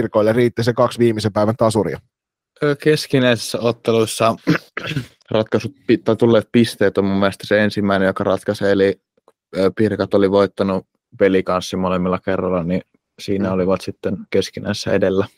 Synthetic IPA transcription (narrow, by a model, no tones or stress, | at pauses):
rkoilːeriːt̪ːisekɑksʋiːmisempæˑiʋænt̪ɑsurḭɑ̰ː | keskinæisi̥sːæot̪ːelusːɑ | rɑt̪kɑsut̪̚pit̪ɑˑt̪ulːeːt̪̚pist̪eːt̪ommumːelest̪ɑ̥seensimːæinejokɑrɑt̪kɑseli | pirkɑt̪oliʋoit̪ːɑnu | ʋelikɑnsːimolemːilːɑkerːɑlːɑni | siːnæoliʋɑt̪sit̪ːenkeskinæ̰ˑisesːæedelːæ